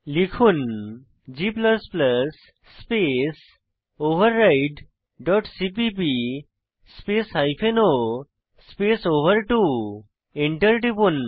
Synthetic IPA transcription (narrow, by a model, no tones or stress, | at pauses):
likʰun | d͡ʑipləspləsː | pes | oʋəɾːajʈ | ɖɔʈsipipi | spesɦajpʰeno | spesoʋəɾʈu | eɳʈəɾʈipun